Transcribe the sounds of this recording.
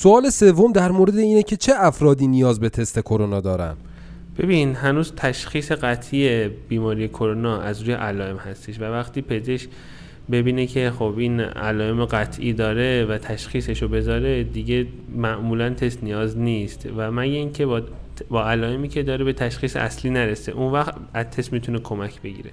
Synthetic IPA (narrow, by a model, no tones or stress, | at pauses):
soɒːle̞se̞vːomd̪æɾmoɾe̞d̪eiːnecʰe̞t͡ʃʰe̞ʔæfɾɒːd̪iːnijɒːzbe̞t̪ʰe̞st̪e̞kʰo̞ɾonɒːd̪ɒːɾæ̰n̥ | b̥e̞biːnhænuːzt̪ʰæʃxiːse̞ɣæt̪ʰʔiebiːmɒːɾije̞kʰoɾonɒːæzɾuːjḛʔælɒːe̞mhæst̪eʃvævæxt̪iːpʰe̞zeʃ | be̞biːnecʰe̞xobʔiːnæ̰lɒːe̞meɣæt̪ʰʔiːd̪ɒːɾe̞væt̪ʰæʃχiːse̞ʃobe̞zɒːɾe̞d̪iɟe̞ | mæʔmuːlænt̪ʰe̞st̪nijɒːzniːst̪væmæɟeiːncʰe̞bbɒːælɒːe̞miːcʰe̞d̪ɒːɾebe̞t̪ʰæʃxiːseʔæsliːnæɾesḛʔunvæxt̪ | æzt̪ʰe̞st̪miːt̪ʰune̞kʰo̞mæcʰbe̞ɟḭːɾḛ